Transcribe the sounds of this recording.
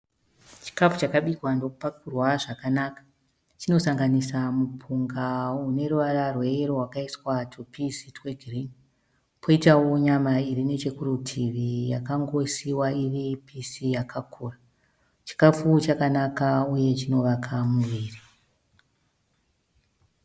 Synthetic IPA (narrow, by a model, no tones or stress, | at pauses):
t͡ʃi̥kafut͡ʃakaɓikwando̞upakurwaʐakanakḁ | t͡ʃino̞saŋɡanisamupʰuŋɡaune̞ruʋararwe̞ro̞ɦwakaiswatʰupʰisitweɡʱrin | pʰoitawo̞ɲamairine̞t͡ʃe̞kurutʰiʋijakaŋɡo̞siwairipʰisijakʰakʰuːra | t͡ʃi̥kafut͡ʃakanakauje̞t͡ʃino̞ʋakʰamuʋiːri